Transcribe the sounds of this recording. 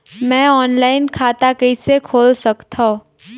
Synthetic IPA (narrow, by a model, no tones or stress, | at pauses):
mɛ̃ːɔːnlaːɪnkʰaːt̪akɐɪsekʰoːlsɐkt̪ʰõ